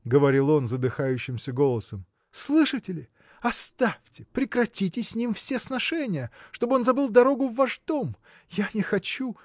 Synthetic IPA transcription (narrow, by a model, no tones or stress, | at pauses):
ɡəvɐɾʲilˠo̞nzəd̪ɨxajʉɕːɪmsʲəɡo̞lˠəsəm | slˠɨʂɨtʲɪlʲɪ | ɐst̪afʲtʲɪ̥pɾʲɪkɾɐtʲitʲɪsʲsʲnʲimfsʲesnɐʂɛnʲɪjəʂt̪o̞bɨo̞nzɐbɨlˠd̪ɐɾo̞ɡʊvːaʐd̪o̞m | janʲɪxɐt͡ɕu